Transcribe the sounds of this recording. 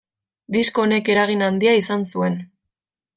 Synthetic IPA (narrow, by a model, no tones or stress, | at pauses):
d̪iskone̞ke̞ɾaɣ̞inand̪iaisansue̞n